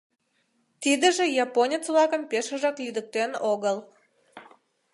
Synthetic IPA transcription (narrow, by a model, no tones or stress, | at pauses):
t̪id̪ə̆ʒĕjɑponʲet͡sβlˠɑkəmpeʃə̆ʒɑklyd̪ə̆k̚t̪enoɣəlˠ